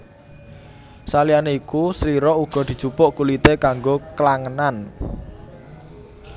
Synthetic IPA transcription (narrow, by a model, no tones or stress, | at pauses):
salianeikusɾiɾɔuɡ̥ɔ̤d̪̥i̤d̥ʒ̥ṳpʊʔkulit̪ekaŋɡoklaŋənan